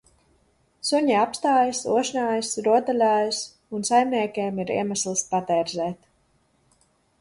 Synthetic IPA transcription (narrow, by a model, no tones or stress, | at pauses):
suɲiapst̪aːjasuɔʃnʲaːjəsɾuɔd̪alʲaːjs | unsajmnʲiɛkʲeːmiɾḭɛmaslˠspat̪ɛːɾzɛːt̪